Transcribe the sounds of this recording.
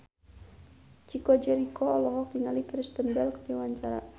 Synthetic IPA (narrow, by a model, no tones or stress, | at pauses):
t͡ʃikɔd͡ʒɛɾikɔɔlɔɦɔk̚diŋalikɾist̪ənbɛlkədiwaɲt͡ʃaɾa̰